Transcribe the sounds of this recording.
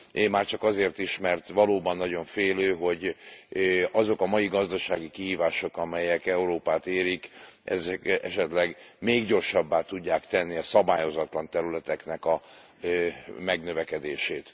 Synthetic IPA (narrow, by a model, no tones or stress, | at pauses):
eːmːaːrt͡ʃɒkɒzeːrt̪iʃmɛrt̪ʋɒloːbɒnːɒɟo̞ɱfeːløːɦo̞ɟ | ɒzo̞kɒmɒjiɡɒzd̪ɒʃaːɡikiɦiːvaːʃo̞kɒmɛjɛkɛuɾoːpaːt̪eːɾikʔɛ̰zɛkɛʃɛt̪lɛɡmeːɡɟo̞rʃɒbːaːt̪uɟːaːkt̪ɛnːiɒsɒbaːjo̞zɒt̪lɒnt̪ɛɾylɛt̪ɛknɛkɒ | mɛɡnøvɛkɛd̪eːʃeːt̪